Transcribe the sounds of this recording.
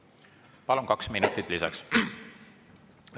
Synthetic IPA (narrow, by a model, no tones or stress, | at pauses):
pɑlunkɑksminut̪ːˑit̪ˑlisɑ̰ks